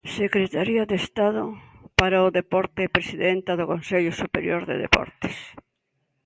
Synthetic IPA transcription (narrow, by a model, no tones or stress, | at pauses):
sekɾet̪aɾiaðest̪aðʊpaɾaʊðepɔɾt̪epɾesiðent̪aðʊkonseʎʊsupeɾjoɾðḛðḛpɔ̰ɾt̪ɪ̥s